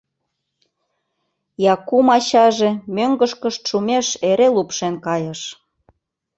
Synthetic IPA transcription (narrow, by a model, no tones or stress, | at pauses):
jɑkumɑt͡ɕɑʒemøŋɡəʃkə̆ʃt̪ʃumʲeʃeɾelupʃenkɑjə̆ʃ